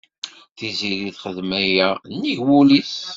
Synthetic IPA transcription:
θiziɾiθχəðmæjænːiʝwuliθ

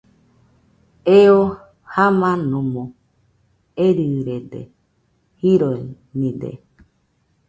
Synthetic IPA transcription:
eo | hamãnũmũ | eɾiɾedḛ | hiɾoi | nĩdḛ

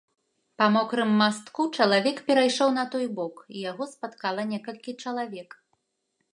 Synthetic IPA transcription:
pɐmɔkɾɨmːast̪kut͡ʂɐlˠavʲɛkpʲɛɾajʂɔwnɐt̪ɔjbɔkijaɣɔspat̪kalˠɐnʲɛkɐlʲkʲit͡ʂɐlˠavʲɛk

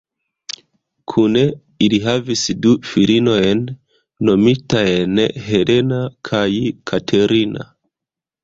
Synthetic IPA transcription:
kʰune̞ | iliɦavisdufilino̞jnː | o̞mitaenɦe̞le̞nakʰajkʰatʰeɾina̰

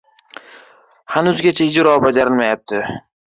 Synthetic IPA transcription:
hanʊzɡʲat͡ʃʰaɪd͡ʒɾɒbad͡ʒaɾɪlmajap̚t̪ʰɪ

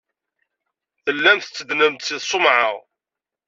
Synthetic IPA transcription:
θəlːæmθət͡sːəd̪nəmt̪siðsˤomʕə̰ʁ

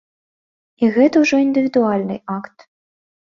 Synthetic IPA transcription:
iɣɛt̪ɐwʐɔind̪ɨvʲid̪ualʲnɨ̰jakt̪

